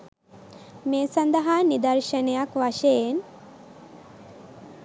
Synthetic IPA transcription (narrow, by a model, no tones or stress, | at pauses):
mesɐnd̪ɐɦanid̪ɐɾʃɐnjakʋaʃen